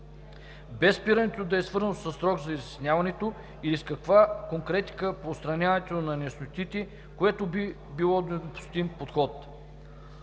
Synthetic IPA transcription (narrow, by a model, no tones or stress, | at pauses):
bɛspiɾɐnɛt̪od̪ɐɛsvɤɾzət̪sɐsɾɔɡzɐizisnʲavɐnɛt̪o | iliskɐkvakoŋkɾɛt̪i̥kəpoːst̪ɾɐnʲavɐt̪onɐnɛsnot̪it̪ɛ | koɛt̪obi | bilˠɔd̪ɛd̪opʊ̥st̪impot̪xɔt̪